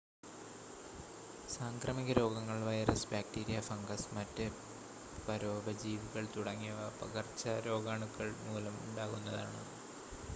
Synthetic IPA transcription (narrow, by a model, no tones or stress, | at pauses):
saːŋkrɐmiɣɐɾo̞ːɡɐŋːɐɭʋɐjɐɾɐsbjaːk̚tiːɾijɐfɐŋɡɐsmɐtːe | pɐɾo̞ːbɐd͡ʑiːʋiɣɐɭt̪uɽɐŋːijɐʋɐpɐɣɐrt͡ɕːɐɾo̞ːɡaːɳukːɐɭmuːlɐmuɳɖaːɣunːɐða̰ːɳɨ̰